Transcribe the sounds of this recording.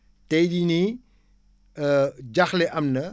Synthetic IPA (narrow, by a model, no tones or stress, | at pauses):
tɛjdini | d͡ʒɐxlɛʔɐmnɐ